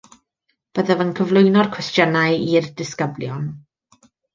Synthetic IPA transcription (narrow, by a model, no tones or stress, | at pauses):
b̥əðɛvənkʰəvlˠʊjnɔr̥kʰwɛstjənajirdɪskəbljɔn